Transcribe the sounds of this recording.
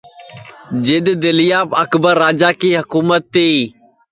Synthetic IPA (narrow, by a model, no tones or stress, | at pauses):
d͡ʒɪd̪d̪ɪlɪjaːpəkbəɾːaːd͡ʒaːkiːɦəkuːmət̪ːiː